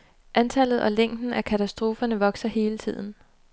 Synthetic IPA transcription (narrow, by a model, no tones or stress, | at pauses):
ʔænt͡sʰæl̰ð̞̩ˠʔɒ̽leŋ̰d̥n̩ækʰæt͡sʰæsd̥ʁo̝ːfɐnəʋɒ̽ɡ̥sɐhe̝ːlət͡sʰið̰ˠn̩